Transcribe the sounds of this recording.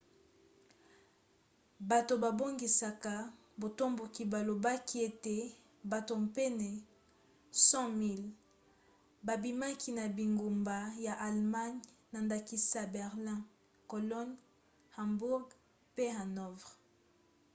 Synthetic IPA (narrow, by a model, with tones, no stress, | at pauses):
ba˨to˨ba˨bo˦ŋɡi˨sa˨ka˨ | bo˨to˦mbo˨ki˨ba˨lo˨ba˦ki˦e˦te˦ | ba˨to˨mpɛ˦nɛ˨ | sɑ̃˦mi˦l | ba˨bi˨ma˦kʰi˦na˨bi˨ŋɡo˨mba˨ja˨ʔa˨lma˦ɲna˨nda˨ki˦sa˨bɛ˨ʁlɛ̃˦ | ko˨lɔ˦n | hã˨mbu˦ʁɡ | pe˦ha˨nɔ˦vʁ